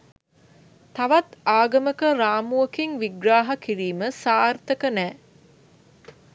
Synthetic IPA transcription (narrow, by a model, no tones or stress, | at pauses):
t̪ɐʋɐt̪aːɡɐməkəɾaːmuɐkiŋʋiɡɾaːɦɐkiɾiːməsaːɾt̪əkənɛː